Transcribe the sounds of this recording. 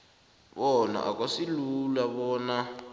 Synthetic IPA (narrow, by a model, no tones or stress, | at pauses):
ɓɔna̰ʔa̰k̬ʼasilulaɓɔːna